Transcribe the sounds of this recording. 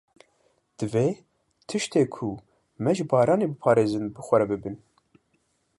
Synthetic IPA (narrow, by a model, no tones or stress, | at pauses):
d̪̥ɨveː | t̪ʰɨʃt̪eːkʰu | mɛʒɨbɑːɾɑːneːbɨpʰɑːɾeːzɨnbɨxʷɛɾɛbɨbɨn